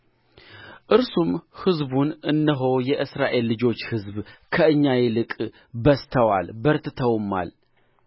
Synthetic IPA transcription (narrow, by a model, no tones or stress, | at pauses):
ʔɨɾsumhɨzbunʔɨnːəɦo̞jɛʔɨsɾaʔe̞lːɨd͡ʒo̞t͡ʃːhɨzbkʰəɨɲːajɛlɨkʼ | bəst̪ʰəwalbəɾt̪ɨt̪ʰəwmːa̰l